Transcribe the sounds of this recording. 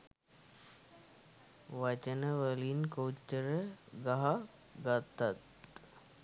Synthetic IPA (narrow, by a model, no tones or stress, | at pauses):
ʋat͡ʃənəʋəlinkəwt͡ʃːəɾəɡaɦa | ɡat̪ːat̪